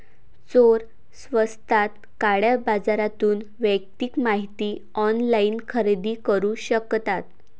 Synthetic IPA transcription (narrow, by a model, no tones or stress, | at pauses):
t͡soɾ | sʋəst̪ʰat̪̚ | kaɽjabad͡zaɾat̪uːn | ʋək̚t̪ikmaɦit̪iː | ɔnlainkʰəɾed̪iːkəɾuːɕəkt̪at̪̚